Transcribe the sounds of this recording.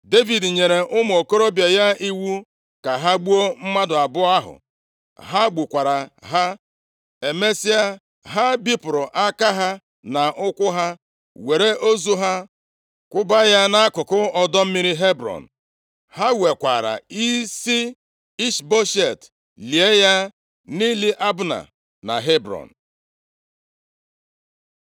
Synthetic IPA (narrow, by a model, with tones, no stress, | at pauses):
de˦vi˨dɲe˨ɾe˨ʔʊ˦m˨o˨ko˦ɾo˦bja˨ja˦i˦wu˦ | ka˨ɦa˦ɡ͡bu˦o˦m̩˦ma˦dʊ˨a˨bʊ˦a˦ɦʊ̰˨ | ɦa˦ɡ͡bu˨kʷa˨ɾa˨ɦa˦ | e˨me˦si˦a˦ | ɦa˦bi˦pʊ˨ɾʊ˨ʔa˦ka˦ɦa˦ | na˨ʔʊ˦kʷʊ˦ɦa˦ | we˨ɾe˦ʔo˦zu˦ɦa˦ | kʷʊ˦ba˦ja˦na˦a˦kʊ˨kʊ˦ɔ˦dɔ˦m̩˦mi˦ɾi˦ɦe˦bɾɔ̰˨n̩˨ | ha˦we˨kʷa̰˨ɾa̰˨i˦si˦ | i˦ʃbo˦ʃe˨t | li˨e˦ja˦ | ni˦li˦ʔa˦bʊ˦na̰˨ | na̰˨ɦe˦bɾɔ̰˨n̩˨